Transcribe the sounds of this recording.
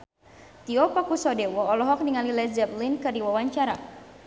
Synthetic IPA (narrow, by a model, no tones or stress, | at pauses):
t̪iɔpakusɔdɛwɔːlɔɦɔk̚niŋalilɛd͡ʒɛplinkɨrdiwawaɲt͡ʃaɾa